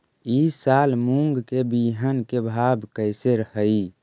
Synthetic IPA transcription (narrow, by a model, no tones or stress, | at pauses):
isalmuŋɡkebiɦənkebʱabkəɪseɾəhəi